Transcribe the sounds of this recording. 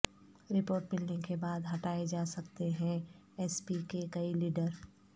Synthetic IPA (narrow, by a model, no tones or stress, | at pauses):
ɾɪpoːɾʈmɪlnekebaːd̪ɦɐʈaːed͡ʒaːsɐkt̪eɦɛ̃ | ɛːspikekɐiliːɖəɾ